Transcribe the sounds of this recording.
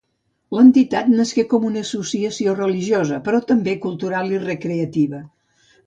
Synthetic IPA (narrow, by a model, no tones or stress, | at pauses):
lənt̪it̪at̪nəskekɔmunəːsusiəsiorəliʒiozəpɾɔt̪əmbekulˠt̪uɾalˠirəkɾeət̪iβə